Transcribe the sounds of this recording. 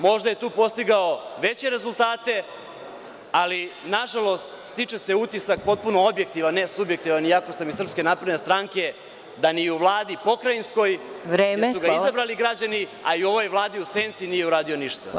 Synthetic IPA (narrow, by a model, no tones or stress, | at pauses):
mo̞ʒd̪aje̞t̪uːpo̞st̪iɡaoʋe̞t͡ɕe̞ɾe̞zult̪aːt̪e̞ | alinaʒalˠo̞st̪st̪it͡ʃe̞se̞ut̪isak̚po̞t̪̚puno̞obje̞k̚t̪iʋanːe̞subje̞k̚t̪iʋaniako̞samisr̩pske̞napɾed̪nest̪ɾaŋke̞ | d̪aniuʋlˠaːd̪ipo̞kɾainsko̞jɾeːmesuɡaizabɾaːliɡɾad͡ʑania̰iuo̞ʋo̞jʋlˠaːd̪iuseːnt̪sinije̞uɾaːd̪io̞niʃt̪a̰